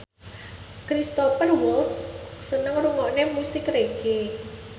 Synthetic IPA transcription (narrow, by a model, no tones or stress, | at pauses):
kɾist̪ɔfərwɔltssənəŋruŋɔnemusɪkreɡe